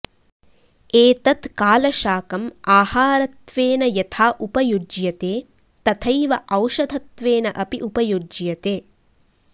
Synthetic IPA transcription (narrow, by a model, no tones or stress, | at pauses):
eːt̪ɐt̪kaːlɐʃaːkɐmaːhaːɾɐt̪ʋeːnɐjɐt̪ʰaːʔupɐjud͡ʒjɐt̪eː | t̪ɐt̪ʰɐjʋɐʔɐwʃɐd̪ʱɐt̪ʋeːnɐʔɐpiʔupɐjud͡ʒjɐt̪eː